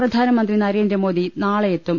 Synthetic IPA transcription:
rɐd̪ʱaːnɐmɐnd̪rinɐɾe̞ːndrɐmoːdðinaːɭɐjet̪ːum

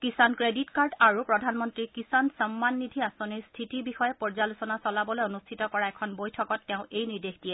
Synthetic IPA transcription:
kisankɹeditkaɹdaɹupɹɔdʱanmɔntɹikisansɔmːanːidʱiasɔnistʰitibixɔjɛpɔɹzalusɔnasɔlabɔlojonustʰitɔkɔɹaɛkʰɔnbojtʰɔkɔtːɛʊ̃ʔejniɹdexdiɛ

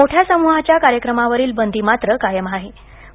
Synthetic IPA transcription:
oʈʰjasəmuɦat͡ɕjakaɾjəkɾəmaʋəɾiːlbənd̪ʱimat̪ɾəkajəmaɦe

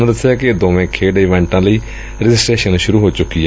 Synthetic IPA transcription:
md̪əsːejaːkɪd̪oːʋẽːkʰeːɖɪʋɛ̃ːɳʈãːləiː | ɾɪd͡ʒɪsʈɾeːʃənʃʊɾuːɦoːt͡ʃʊkːiɛ

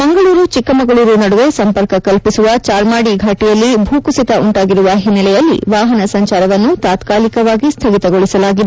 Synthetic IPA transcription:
mɐŋɡɐɭuːɾut͡ʃikːɐmɐɡɐɭuːɾunɐɽuʋesɐmpɐɾkɐkɐlpisuʋɐt͡ʃaːɾmaːɽiɡʱaːʈijɐlːibʱuːkusit̪ɐʔuɳʈaːɡiɾuʋɐɦinːɛlɛjɐlːḭʋaːɦɐnɐsɐɲt͡ʃaːɾɐʋɐnːut̪aːt̪kaːlikɐʋaːɡist̪ʰɐɡit̪ɐɡoɭisɐlaːɡid̪

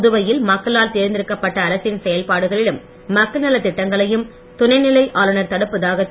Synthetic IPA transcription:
ðɯʋɐjɪlmɐkːɐlaːlt̪eːɾɪnd̪ɪɾɯkːɐpːɐʈːɐːɾɐsɪnsɛjɐlpaːɽɯɣɐɭɪɽɯmː | ɐkːɐnɐlɐt̪ɪʈːɐŋɡɐɭɐjɯm | t̪ʊnɐɪnɪlɐɪʔaːlɯnɐɾt̪ɐɽɯpːɐðaːɣɐ

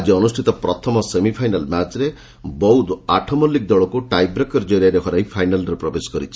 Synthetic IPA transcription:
ad͡ʒiɔnusʈʰit̪ɔpɾɔt̪ʰɔmɔsemipʰajnalmat͡ʃɾe | bɔwd̪aʈʰɔmɔlːik̚d̪ɔɭɔkuʈajbɾekɔɾd͡ʒɔɾiaɾekʰɔɾaĩpʰajnalɾepɾɔbesɔ̥kɔɾit͡ʃʰi̥

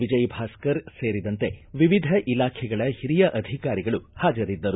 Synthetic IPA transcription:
ʋid͡ʒɐjbʱaːskɐɾse̞ːɾid̪ɐnt̪e̞ʋiʋid̪ʱɐʔilaːkʰɛɡɐɭɐhiɾijɐʔɐd̪ʱikaːɾiɡɐɭuhaːd͡ʒɐɾid̪ːɐɾu

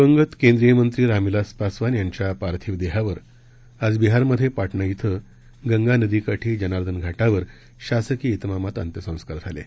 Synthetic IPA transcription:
bəŋɡət̪kẽnd̪ɾijəmənt̪ɾiːɾamilaspasʋanjaɲt͡ɕjapaɾt̪ʰiːʋd̪eɦaʋəɾ | ad͡zbiɦaɾməd̪ʱjepaʈɳəjit̪ʰə | ɡəŋɡanəd̪ikaʈʰiːd͡ʑənaɾd̪ənɡʱaʈaʋəɾ | ɕasəkiːt̪mamat̪ə̰nt̪jəsə̃w̃skaɾt̪ʰalḛ

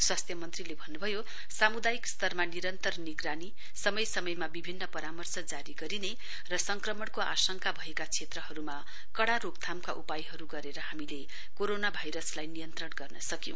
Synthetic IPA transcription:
swast̪ʰjʌmʌnt̪rilebʱʌnːubʱʌjo | samud̪ajikst̪ʌrmaniɾʌnt̪ʌrniɡrani | sʌmʌjsʌmʌjmabibʱinːʌpʌɾamʌrsʌd͡zaɾiɡʌɾine | rʌsʌŋkrʌmʌɳkoʔa̰sʌŋkabʱʌekat͡sʰet̪rʌɦʌɾuma | kʌɽaɾok̚t̪ʰamkaʔupajɦʌɾuɡʌɾeɾʌhamile | koɾonabʱajɾʌslajnijʌnt̪rʌɳɡʌrnʌsʌkj̰̃

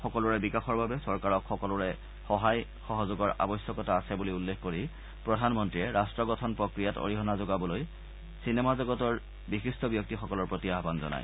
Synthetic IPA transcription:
xɔkɔlɔɹɛbikaxɔɹbʱabɛsɔɹkaɹɔkxɔkɔlɔɹɛ | xɔɦaj | xɔɦɔzʊɡɔɹa̰bɔjsjɔkɔtaːsɛbuliulːexkoɹi | pɹɔdʱanmɔntɹiɛɹastɹɔɡɔtʰɔnpɹɔkɹijato̰ɹiɦɔnazoɡabɔloj | sinɛmazɔɡɔtɔɹ | bixistɔbjɔk̚tixɔkɔlɔɹpɹotiaɦbanzɔ̰na̰j

